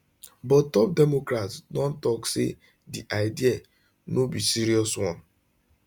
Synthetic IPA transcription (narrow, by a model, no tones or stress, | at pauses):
bɔttɔp̚dɛmokɾatsdɔn̩tɔkse | diʔaɪdia | nobisiɾiɔswɔ̃n